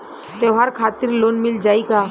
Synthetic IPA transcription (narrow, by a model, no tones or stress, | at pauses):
t̪eɦaɾkʰaːt̪ɪɾloːnmɪld͡ʒaːikaː